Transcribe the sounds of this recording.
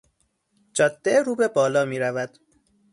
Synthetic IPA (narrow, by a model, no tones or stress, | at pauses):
d͡ʒɒːd̪̥ːeɾuːbe̞bɒːlɒːmiːɾævæd̪̥